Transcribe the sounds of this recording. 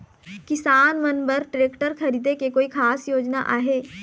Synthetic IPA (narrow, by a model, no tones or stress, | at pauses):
kɪsaːnmənbəɾʈɾeːkʈəɾkʰɐɾiːd̪ekekoːikʰaːsjoːd͡ʒnaʔaːɦeː